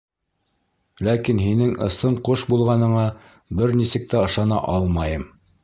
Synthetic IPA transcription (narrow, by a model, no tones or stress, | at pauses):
lækinɦinɘŋʔɤ̆sɤɴqoʃbulˠʁɑnɤ̆ɴɑ | bɘɾnisɘ̆k̚t̪æɤ̆ʃɑnɑ̰ʔɑlˠmɑjɤm